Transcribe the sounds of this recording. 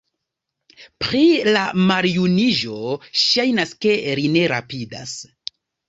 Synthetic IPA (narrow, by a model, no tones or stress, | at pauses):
pɾilamaɾijuniʒo̞ʃajnaske̞ɾine̞ɾapida̰s